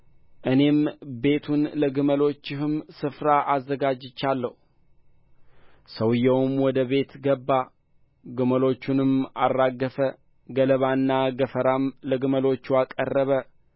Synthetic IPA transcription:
ʔɨne̞mbe̞t̪ʰunləɡɨməlo̞t͡ʃːɪhɨmsɨfɾaʔazːəɡad͡ʒɪt͡ʃːalːəhu | səwɨjːɛwmwɔd̪əβe̞t̪ɡəbːa | ɡɨməlo̞t͡ʃːunɨmarːaɡːəfə | ɡələβanːaɡəfəɾamləɡɨməlo̞t͡ʃːuakʼə̰rːəβə

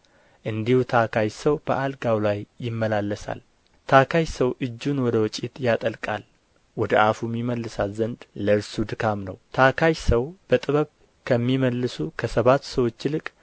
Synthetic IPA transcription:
ʔɨnd̪ihut̪ʰakʰajsəwb̥əʔalɡawlajːɪmːəlalːəsa̰l | t̪ʰakʰajsəwʔɨd͡ʒːunwɔd̪əwɔt͡ʃʼit̪jat̪ʼəlkʼa̰l | wɔd̪əʔafumːiməlːɨsalzənd̪ləɨɾsud̪ɨkʰamnə̰wt̪ʰakʰajsəwb̥ət̪ʼɨβəβ | kʰəmːiməlːɨsukʰəsəβat̪ːsəwo̞t͡ʃːlɨkʼ

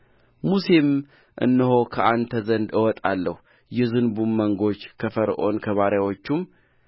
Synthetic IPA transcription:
muse̞m | ʔɨ̰nːɨɦo̞kʰəʔant̪ʰəzənd̪ɨwɔt̪ʼalːəhu | jɛzɨnbumːəŋɡo̞t͡ʃːkʰəfəɾʔo̞̰nkʰəβaɾjawo̞t͡ʃːum

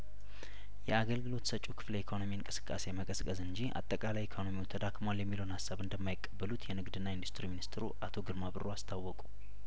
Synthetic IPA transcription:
jɛaɡəlɡɨlo̞t̪sət͡ʃʼːukʰɨ̥flejɛkʰo̞no̞miɨŋkʼɨsɨ̥kʼːase̞jməkʼəskʼəzɨɲd͡ʒia̰t̪ʼːəkʼalajɛkʰo̞no̞miwut̪ʰəd̪akʰmaljɛmːiləwnhasːaβɨnd̪əmːajɪkʼːəbːəlut̪ʰjɛnɨɡd̪ɨnːaɪnd̪ust̪ʰɨɾiminist̪ɨɾṵʔat̪ʰo̞ɡɨɾmaβɨroast̪ʰawːɔkʼu̥

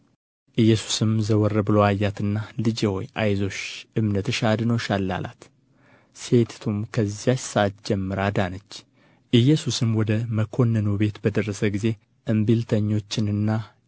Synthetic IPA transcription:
ʔɨjːɛsu̥sɨmzəwɔrːəbɨlowajːat̪ʰɨnːalɨd͡ʒewojʔajzo̞ʃʔɨmnət̪ɨʃad̪ɨno̞ʃalːa̰lʔa̰t̪ | se̞t̪t̪ʰumkʰəzːijat͡ʃsɨʔat̪̚d͡ʒɛmːɨɾad̪anət͡ʃː | ʔɨjːɛsusɨmwɔd̪əməkʰo̞nːənube̞t̪bəd̪ərːəsəɡize̞ | ʔɨmbilt̪ʰəɲːo̞t͡ʃːɪnɨnːa

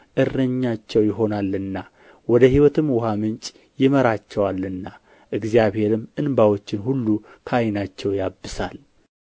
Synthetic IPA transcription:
ʔɨrːəɲːat͡ʃːɛwjɪɦo̞nalːɨnːa | wɔd̪əɦiwɔt̪ʰɨmwʊhamɨnt͡ʃʼ | jɪməɾat͡ʃːɛwalːɨnːa | ʔɨɡzjaβhe̞ɾɨmːɨnbawo̞t͡ʃːɪnhulːu | kʰəajnat͡ʃːɛwjabːɨsal

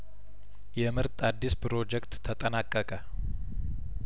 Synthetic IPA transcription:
jɛmɨɾt̪ʼad̪ːispʰɨɾo̞d͡ʒɛkt̪ʰːət̪ʼənakʼːəkʼə

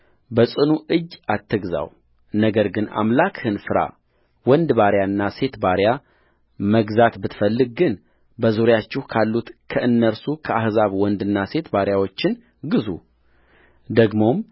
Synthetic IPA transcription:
bəsʼɨnuʔɨd͡ʒːat̪ʰːɨɡza̰w | nəɡəɾɡɨna̰mlakhɨnfɨɾa̰ | wɔnd̪baɾjaɨnːase̞t̪baɾja | məɡzat̪bɨt̪fəlːɨɡ̚ɡɨn | bəzuɾjat͡ʃːɪhkʰalːut̪kʰəʔɨnːəɾsukʰəahzaβwɔnd̪ɨnːase̞t̪baɾjawo̞t͡ʃːɪn | ɡɨzṵ | d̪əɡmo̞m

